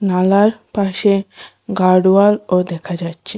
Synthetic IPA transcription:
nalaɾpaʃe | ɡaɽualod̪ɛkʰad͡ʑatːɕʰe

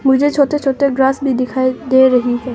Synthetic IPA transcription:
mud͡ʒet͡ʃʰot̪et͡ʃʰot̪eɡɾasbʱid̪ikʰaed̪eɾɐɦipɐ

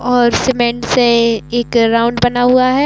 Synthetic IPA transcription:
ɔːɾsɪmẽɳʈseeːkɾaʊ̃ɳɖbɐnaɦuaɦɛː

